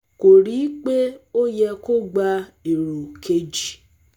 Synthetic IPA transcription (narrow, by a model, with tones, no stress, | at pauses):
ko˨ɾi˨˦k͡pe˦o˦jɛ˧ko˦ɡ͡ba˧e˨ɾu˨kʰe˧d͡ʒi˨